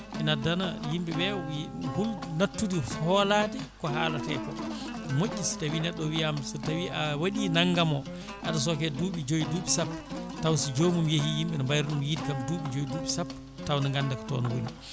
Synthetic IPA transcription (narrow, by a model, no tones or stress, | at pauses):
ʔinadanajimɓɛbɛɡulnatːudihɔlaːtikɔɦaːlatɛ̰kɔmoʔːisi̥tawinɛɗːɔwiamsɔtawiʔawaɗinaŋɡamɔ | ʔaɗas̬ɔkɛduːɓid͡ʒojduːɓisapːtawsid͡ʒomumjehijimɓɛnɔmbajɾɗumjidikamduːɓid͡ʒojduːɓisapː | tawnaŋɡandakḁtɔ̰nɔwoni